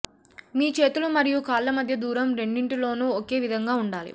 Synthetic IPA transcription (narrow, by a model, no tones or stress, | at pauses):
miːt͡ʃe̞ːt̪ulumɐɾijukaːlːɐmɐd̪ʱjɐd̪uːɾɐmɾe̞ɳɖiɳʈilo̞ːnuːoke̞ːʋid̪ʱɐŋɡaːuɳɖaːlḭ